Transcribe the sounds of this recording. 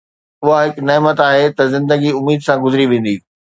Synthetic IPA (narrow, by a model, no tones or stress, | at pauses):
ʊɦaɦɪknɛːmət̪aːɦet̪ɐzɪ̃nd̪əɡiʊmiːd̪sãɡʊzɾiʋẽːn̆d̪iː